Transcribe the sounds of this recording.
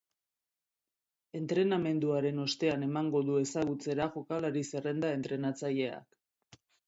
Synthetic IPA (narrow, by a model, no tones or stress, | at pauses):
e̞nt̪ɾe̞name̞nd̪uaɾe̞no̞st̪e̞ane̞maŋɡo̞ðue̞saɣ̞ut͡se̞ɾaʝo̞kalaɾisere̞nd̪ae̞nt̪ɾe̞nat͡saʎe̞a̰k